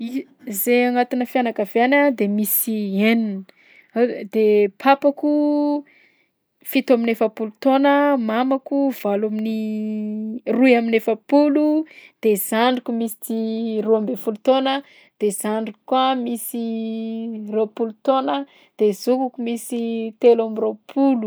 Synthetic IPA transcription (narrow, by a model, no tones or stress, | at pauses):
i | zeaŋat̪inəfijanakaveanad̪emisienin | d̪̥epʰapaku | fit̪aminefəpulut̪onəmamakuv̥alamini | rujaminefəpulud̪̥ez̥aɳɖ͡ʐikumisi̥t̪iruambefulut̪onə | d̪̥ez̥aɳɖ͡ʐikkuamisi | ropulut̪onə | d̪̥ezukukumisit̪elamiropʰulu